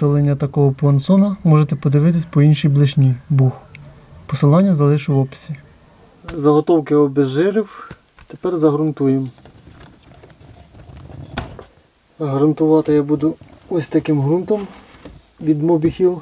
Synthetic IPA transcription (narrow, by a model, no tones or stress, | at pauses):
t̪ɔlˠenʲːɐt̪ɐkɔɦɔpʊɐnt̪sɔnɐmɔʒet̪ɛpɔd̪ɪʋɪt̪̬ɪsʲpɔinʃijblˠɪʒnʲibux | pɔsɪlˠɑnʲːɐzɐlˠɪʃʊʋɔpɪ̥sʲi | zɐɦɔt̪ɔwkɪɔbeʒɪɾɪw | t̪epɛrzɐɦɾʊnt̪ujem | ɐɦɾɐnt̪ʊʋɑt̪ɪjabud̪ʊɔsʲt̪ɐkɪmɦɾunt̪ɔm | ʋʲid̪mɔbʲixʲilˠ